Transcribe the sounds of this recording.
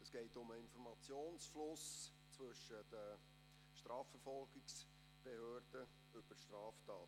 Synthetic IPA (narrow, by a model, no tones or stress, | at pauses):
əsɡ̥ɛɪtʊməɪnfɔɾmɑt͡sjoːnsflʊs | t͡sʋɵʃəd̥ə | ʃtɾɑːfəɾfɔlɡɪks | b̥ehøːrd̥ə | ʏb̥əɾʃtɾɑːftɑːt